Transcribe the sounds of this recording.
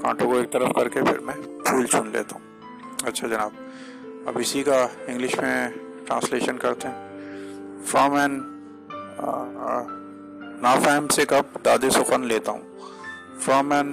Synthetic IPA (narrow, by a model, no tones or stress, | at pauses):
kʰã̰ːʈõkoeːk̚t̪ɐɾəfkɐɾkepʰɪ̰ɾmɛ̃pʰuːlt͡ʃʰunlḛːt̪aɦũː | ɐtːʃʰad͡ʒɐnaːb̚ | ɐ̰bɪsikaɪ̃ŋɡlɪʃmẽ | ʈɾãːnsleːʃənkɐɾt̪eɦɛ̃ | fɾaːmɛːn | naːfɛːmsekɐp̚d̪aːd̪esʊxənleːt̪aɦṵ̃ | fɾaːmɛ̃ːn